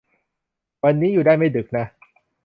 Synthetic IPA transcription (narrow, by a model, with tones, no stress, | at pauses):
wa˧nːiː˦˥juː˨˩daː˥˩jma˥˩jdɯ˨˩k̚na˦˥